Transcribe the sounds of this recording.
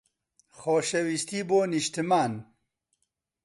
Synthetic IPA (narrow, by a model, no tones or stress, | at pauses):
xoːʃɛwist̪iboːniʃt̪ɨmaːn